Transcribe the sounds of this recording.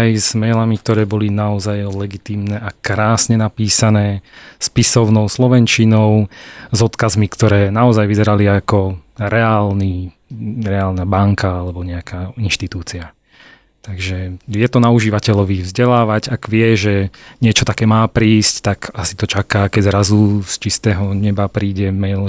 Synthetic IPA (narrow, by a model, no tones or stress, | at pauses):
ajzmɛlamik̚t̪ɔɾɛːbɔlinaɔzajlɛɡit̪iːmnɛʔakɾaːsɲɛnapiːsanɛːspisɔʊnɔʊslɔʋɛnt͡ʃinɔʊzɔt̪kazmikt̪ɔɾɛːnaɔzajʋizɛɾaliakɔɾɛaːlni | ɾɛaːlnabaŋkaalɛbɔɲɛakʰainʃt̪it̪uːt͡sia | t̪aɡʒɛjɛt̪ɔnauʒiːʋacɛʎɔʋivzɟɛlaːʋaɟaɡʋɪɛʒɛɲɪɛt͡ʃɔt̪akɛːmaːpɾiːsct̪akasi̥t̪ɔt͡ʃakaːkɛɟzɾazust͡ʃist̪ɛːɦɔɲɛbapɾiːɟɛmɛ